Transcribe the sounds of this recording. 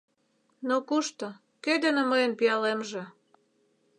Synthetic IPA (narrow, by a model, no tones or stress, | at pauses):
nokuʃt̪o | kød̪ənə̆məjənpiɑlemʒĕ